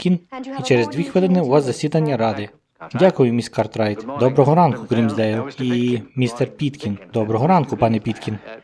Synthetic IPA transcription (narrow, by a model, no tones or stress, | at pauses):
kʲinit͡ʃɛɾezd̪ʲʋʲixʋɪlˠɪnɪʊʋɑzzɐsʲid̪ɐnʲːɐɾɑd̪ɪ | dʲakʊjʊmʲisʲkɑrt̪ɾɑjt̪d̪ɔbɾɔɦɔɾɑnkʊkɾʲimzd̪ɛjʊimʲist̪ɛrpʲit̪kʲind̪ɔbɾɔɦɔɾɑnkʊpɑnɛpʲit̪kʲin